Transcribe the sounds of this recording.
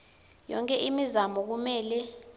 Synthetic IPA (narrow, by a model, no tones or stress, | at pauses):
jɔ̰ŋkʼɛʔimizamɔk̬umɛːlɛ